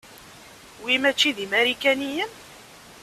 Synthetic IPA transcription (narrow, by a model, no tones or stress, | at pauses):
wimæt͡ʃːiðimæɾikænijəm